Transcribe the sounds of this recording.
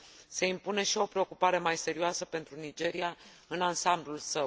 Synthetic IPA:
se̞impune̞ʃio̞pɾe̞o̞kupaɾe̞majse̞ɾioasəpe̞nt̪ɾunid͡ʒe̞ɾia | ɨnansamblulsə

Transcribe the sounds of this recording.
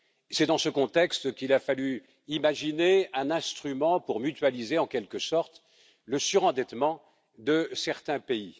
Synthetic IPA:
sɛd̪ɑ̃səkɔ̃t̪ɛkst̪kilafaly | imaʒineɛ̃nɛ̃st̪χymɑ̃puʁmyt̪ɥalizeɑ̃kʲɛlkəsɔʁt̪ | ləsyʁɑ̃d̪ɛt̪mɑ̃ | d̪əsɛʁt̪ɛ̃pei

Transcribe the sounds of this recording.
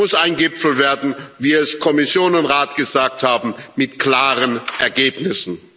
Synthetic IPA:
ʊsaɪnɡɪpfl̩veːɐdn̩viːɛskʰɔmɪsjoːnʊntʁaːtɡ̥əzaːk̚thaːbm̩mɪtkl̥aːʁənʔɛɐɡeːpnɪsn̩

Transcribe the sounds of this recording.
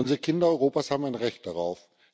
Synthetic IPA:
ʊnzəʁəkʰɪndɐɔʏʁoːpaːshaːbm̩aɪnʁɛçt̚d̥aʁaʊf

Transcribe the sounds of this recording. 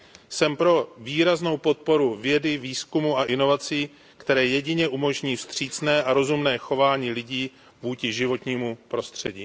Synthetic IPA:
sɛmpɾo̞viːɾazno̞wpo̞t̪̚po̞ɾuvjɛdɪviːskumuaʔɪno̞vat͡siː | kt̪ɛɾɛːjɛɟɪɲɛʔumo̞ʒɲiːfst̪r̝̥iːt͡snɛːʔaɾo̞zumnɛːxo̞vaːɲiːlɪɟiː | vuːcɪʒɪvo̞t̪ɲiːmupɾo̞st̪r̝̥ɛɟiː

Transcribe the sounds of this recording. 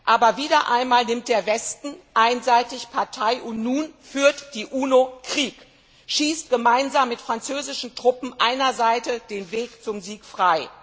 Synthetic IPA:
ʔaːbɐviːdɐʔa̰ɪnmaːlnɪmt̚d̥eːɐvɛstn̩ʔaɪnzaɪtɪçpʰaɐtʰaɪʔʊntnuːnfyːɐtd̥iːʔuːnokʁ̥iːk | ʃiːstɡ̥əmaɪnzaːmːɪtfʁ̥ant͡søːzɪʃn̩tʁ̥ʊpm̩ʔaɪnɐzaɪtəd̥eːnveːkt͡sʊmziːkfʁ̥aɪ

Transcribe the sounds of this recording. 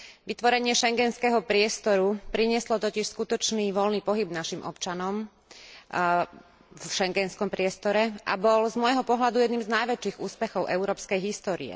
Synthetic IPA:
ʋit̪ʋɔɾɛɲɪɛʃɛŋɡɛnskɛɦɔpɾɪɛst̪ɔɾupɾiɲɪɛslɔt̪ɔciʃskut̪ɔt͡ʃniːʋɔlniːpɔɦibnaʃimʔɔ̰pt͡ʃanɔm | fʃɛŋɡɛnskɔmpɾɪɛst̪ɔɾɛʔa̰bɔlzmɔjɦɔpɔɦlad̪ujɛd̪niːmznajʋɛt͡ʃːiːɣuːspɛxɔʊʔɛʊɾɔːpskɛjɦist̪ɔːɾḭɛ̰

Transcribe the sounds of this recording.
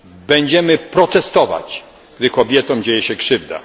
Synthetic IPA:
bɛɲd͡ʑɛmɘpɾɔt̪ɛst̪ɔva̰t͡ɕ | ɡ̥d̪ɘkɔbʲjɛt̪ɔ̃md͡ʑejɛɕɛkʂɘvd̪a̰

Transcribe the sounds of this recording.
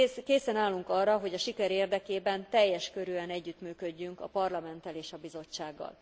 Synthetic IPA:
keːsɛnaːlːuŋkɒrːɒɦo̞ɟɒʃikɛɾeːrd̪ɛkeːbɛnt̪ɛjːɛʃkøɾyːɛnɛɟːyt̪myːkø̞ɟːyŋkɒ̰pɒrlɒmɛnt̪ɛleːʃɒbizo̞t͡ʃːaːɡːɒ̰l

